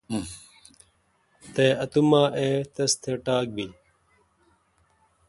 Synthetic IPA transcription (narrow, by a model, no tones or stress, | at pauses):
t̪eːɐt̪umãːʔeːt̪ɐst̪ʰeʈaːk̚biː